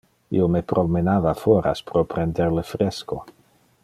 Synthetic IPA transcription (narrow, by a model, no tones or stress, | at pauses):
ḭomepɾʔomenaːvafoɾa̰spɾopɾendeɾlefɾesko̰